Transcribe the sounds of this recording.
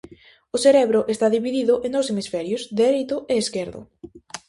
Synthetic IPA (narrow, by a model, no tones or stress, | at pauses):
ʊseɾɛβɾʊʔest̪aðiβiðiðʊʔẽnd̪owsemisfɛɾjozd̪eɾejt̪ʊʔeːskeɾðʊ̰